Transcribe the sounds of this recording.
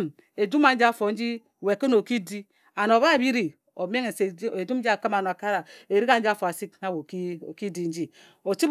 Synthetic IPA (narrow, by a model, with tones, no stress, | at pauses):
m | e˨d͡ʒu˦ma˨n̩˦d͡ʒi˦a˦fo˨n̩˦d͡ʒi˦ | we˨ko˦no˨ki˦di˦ | a˨no˨βa˦˨bi˦ɾi˨ | o˨me˦ŋe˨se˨d͡ʒu˦mn̩˦d͡ʒi˦a˨ki˦ma˨no˨a˨ka˦ɾa˨e˨ɾi˦ka˨n̩˦d͡ʒi˦a˦fo˨a˨si˦k̚na˦wo˨kki˦di˦n̩˦d͡ʒi˦ | o˨t͡ʃi˦b